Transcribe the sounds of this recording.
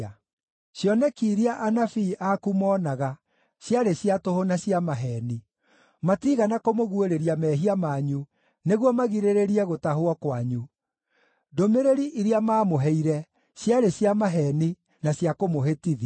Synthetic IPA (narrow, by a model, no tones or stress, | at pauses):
ɕjɔnɛkiːɾiaʔanafiːʔakumɔːnaɣa | ɕjaɾeɕjatohonaɕjamaɦɛːni | matiɣanakomoɣweɾeɾiamɛːɦiamaɲu | neɣwɔmaɣiɾeɾeɾiɛɣotaɦoɔkwaɲu | domeɾeɾiʔiɾiamaːmoɦɛiɾɛ | ɕjaɾeɕjamaɦɛni | naɕjakomoɦetiði